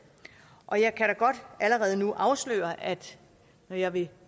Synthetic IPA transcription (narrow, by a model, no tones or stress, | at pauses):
ʔɒ̽jɑ̈ɪkʰæɾæɡ̥ɒ̽d̥ʔæləʁɛːð̞̩ˠnuʔɑ̈ʊslø̰ːɐæd̥ | nɒjɑ̈ɪʋe̝